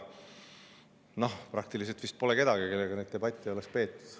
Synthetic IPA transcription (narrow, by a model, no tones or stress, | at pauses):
no̞hprɑk̚t̪ilis̬elt̪vist̪̚po̞leke̞d̪̥ɑɡike̞lːeɡɑned̪̚t̪eb̥ɑt̪ʲːˑio̞lekspe̞ːt̪ːˑu̥d̪̥